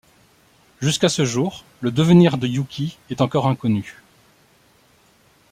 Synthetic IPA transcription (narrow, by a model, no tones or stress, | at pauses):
ʒyskasəʒuːʁ | ləd̪əvəniʁd̪əjukʲiɛt̪ɑ̃kɔʁɛ̃kɔny